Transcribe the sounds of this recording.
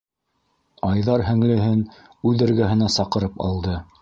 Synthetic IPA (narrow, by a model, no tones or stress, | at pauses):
ɑjðɑɾhæ̆ŋlɘ̆ɦɘn | ʉðɘ̆ɾɡæɦɘ̆næsɑqɤ̆ɾɤpɑ̰lˠd̪ɤ